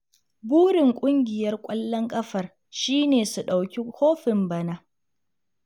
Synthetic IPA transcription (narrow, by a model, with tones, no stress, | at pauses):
buː˦ɽɪ˨ŋkʷʼʊ˦ŋɡʲɪ˨jɐ˦rkʷʼɐ˦lːɐ˦ŋkʼɐ˦ɸɐ˨r | ʃiː˦neː˨su˨ɗa˨wkʲi˦hoː˦ɸɪ˨mbɐ˨naː˦